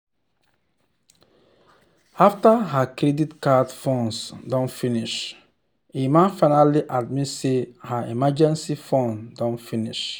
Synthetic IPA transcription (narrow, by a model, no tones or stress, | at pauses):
aftaɦakɾɛditkadfɔ̃nsdɔ̃nfiniʃ | emãnfaɪnaliʔad̚mitsehaimad͡ʒɛ̃nsifɔ̃ndɔ̃nfiniʃ